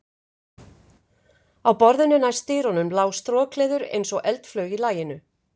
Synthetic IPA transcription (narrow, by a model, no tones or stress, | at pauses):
awpɔɾðʏnʏnajst̪ɪːɾɔnʏmlaːwst̪ɾɔːkʰlɛːðʏɾḛjnsɔɣʔɛlt̪flœːɥɣilaːjɪnʏ